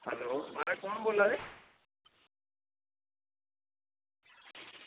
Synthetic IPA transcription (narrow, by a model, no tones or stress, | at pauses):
hɛloːmaɾakɔɳboːlad̪e